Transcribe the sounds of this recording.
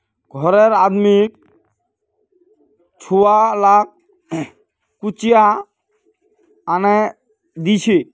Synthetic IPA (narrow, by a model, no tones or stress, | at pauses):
ɡʱɔɾɛɾad̪mik̚ | t͡ʃʰualak̚ʰ | kut͡ʃija | anɛ | d̪it͡ʃʰi